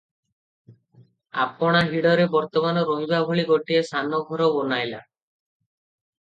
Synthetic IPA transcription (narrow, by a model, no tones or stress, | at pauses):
a̰pɔɽ̃aɦiɽɔɾebɔɾt̪ɔmanɔɾoɦibabʱoɭiɡoʈiesanɔɡʱɔɾɔbonajla̰